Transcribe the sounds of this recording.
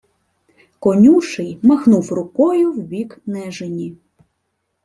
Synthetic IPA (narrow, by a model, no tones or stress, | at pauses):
kɔnʲuʃɪjmɐxnuwrʊkɔjʊwʋʲiknɛʒenʲi